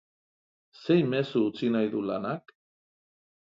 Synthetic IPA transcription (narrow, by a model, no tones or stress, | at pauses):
se̞jme̞suut͡sinajðulanak